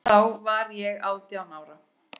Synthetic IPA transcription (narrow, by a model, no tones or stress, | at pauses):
θawvaɾjɛɣawt̪jawnaːwɾa